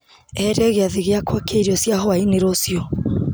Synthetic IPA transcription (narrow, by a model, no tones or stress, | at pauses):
ɛɾɛɣeaðiɣeakwakʰeiɾiɔsjaɦɔaineɾosjɔ